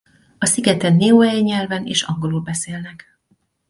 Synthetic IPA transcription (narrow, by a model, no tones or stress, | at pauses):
ɒsiɡɛt̪ɛnːeːoɛjɲɛlvɛneːʃɒŋɡo̞lulbɛseːlnɛk